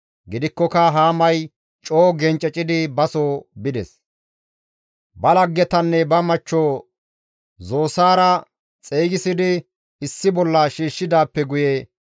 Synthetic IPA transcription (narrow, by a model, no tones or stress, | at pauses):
ɡɪd̪ɪkːɔkɐɦaːmɐj | t͡ʃʼoːɡɛnt͡ʃʼɛt͡ʃʼɪd̪ɪbɐsoːbɪd̪ɛ̰s | bɐlɐɡːɛt̪ɐnːɛbɐmɐt͡ʃːoː | zo̞ːsaːɾɐ | t͡sʼeːɡɪsɪd̪ɪ | ɪsːɪbɔlːɐʃiːʃːɪd̪aːpːɛɡʊjɛ